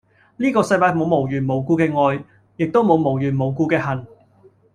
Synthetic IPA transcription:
liː˥kɔː˧sɐ˧jpaː˧jmo˨˧wmo˨˩wjyː˨˩nmo˨˩wkuː˧kɛː˧ŋɔː˧j | jɪ˨k̚t̪o˥wmo˨˧wmo˨˩wjyː˨˩nmo˨wkuː˧kɛː˧ɦɐ˨˩n

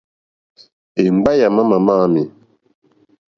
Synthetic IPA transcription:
e˨m˨ba˦ja˨ma˦ma˨ma˦mi˨

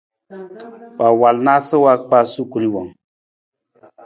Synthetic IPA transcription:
wa˨wa˨lna˦sə˦wa˦k͡pa˦su˦ku˨li˦wa˨ŋ

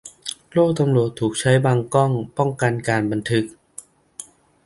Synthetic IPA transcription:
loː˥˩k̚t̪a˧mɾu˨˩ət̪ʰːuː˨˩k̚t͡ɕʰa˦˥jbaː˧ŋkɔ˥˩ŋpɔ˥˩ŋka˧nkaː˧nba˧nt̪ʰɯ˦˥k̚

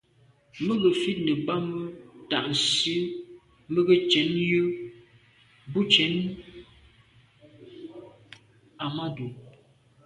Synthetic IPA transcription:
mə˦ɡə˨fi˦t̚nə˨ba˦mə˦ta̰˨ʔn˨si˦ | mə˦ɡə˦t͡ʃɛ˨˦njə˦ | bu˦t͡ʃɛ˨˦n | a˨ma˦du˨

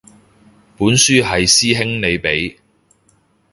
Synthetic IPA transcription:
puː˨˥nsyː˥ɦɐ˨jsiː˥ɦɪ˥ŋne˨˧jpe˨˥j

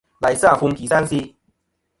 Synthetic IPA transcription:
la˨˩jsa˥˩˨fʊ˧ŋki˨˩sa˥nsi˧

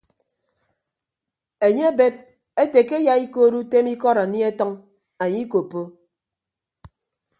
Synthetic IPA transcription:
e˨ɲe˦a˦be˦p̚ | e˦te˨ke˦ja˨i˦ko˦˨ɾu˦te˦mi˦kɔ˦ɾa˨ni˦e˦tɔ˦ŋ | a˨ɲi˦ko˨pːo˦

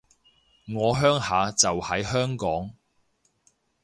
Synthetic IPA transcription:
ŋɔː˨˧ɦœː˥ŋhaː˨˧t͡sɐ˨whɐ˨˥jhœː˥ŋkɔː˨˥ŋ

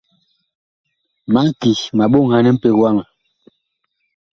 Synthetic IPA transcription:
ma˨˦ŋ˦ki˨ma˨ɓo˦˨ŋha˦nɛ˦m̩˦pe˦ɣwa˦ŋa˨

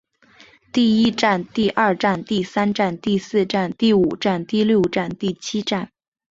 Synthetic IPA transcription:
t̪i˥˩i˥ʈ͡ʂa˥˧nt̪i˥˧ʔɐ˞˥˧ʈ͡ʂa˥˧nt̪i˥˩sa˥nʈ͡ʂa˥˧nt̪i˥˧sɹ̩˥˧ʈ͡ʂa˥˧nt̪i˥˩u˨˩ʈ͡ʂa˥˧nt̪i˥˧ljo˥˧ʊʈ͡ʂa˥˧nt̪i˥˩t͡ɕʰi˥ʈ͡ʂa˥˩n

